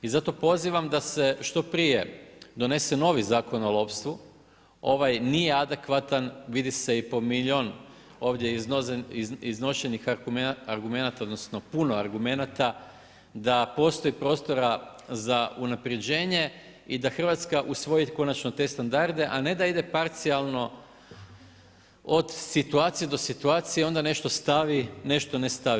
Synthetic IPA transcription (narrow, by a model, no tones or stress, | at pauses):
izat̪o̞po̞ziʋamd̪ase̞ʃt̪o̞pɾije̞̰d̪o̞ne̞seno̞ːʋizaːko̞no̞lˠo̞ːpst̪ʋu | o̞ʋajnije̞ad̪e̞kʋat̪anʋid̪ise̞ipo̞miʎʲo̞ːn | o̞ːʋd̪jeizzizno̞ʃe̞nixaɾɡume̞nat̪aod̪nosno̞puno̞aɾɡume̞nat̪a | d̪apo̞st̪o̞ipɾo̞ːst̪o̞ɾazaunapɾje̞d͡ʑe̞ːɲe̞ | id̪axr̩ʋat̪skaʔusʋo̞jiko̞nat͡ʃnot̪e̞st̪and̪aɾd̪e̞ʔane̞d̪aid̪e̞paɾt̪sialˠno̞ | od̪sit̪uaːt̪sije̞d̪o̞sit̪uaːt̪sijeo̞nd̪ane̞ʃt̪o̞st̪aʋine̞ʃt̪o̞nest̪aʋi